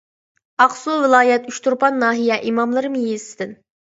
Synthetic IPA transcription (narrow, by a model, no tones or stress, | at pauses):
ɑqsulˠvɪlˠɑːjɛt̪yʃt̪ʰuɾpɑnːɑːɦijɛʔimɑmlˠɨɾɨmɨjezsɪ̥d̪ɪn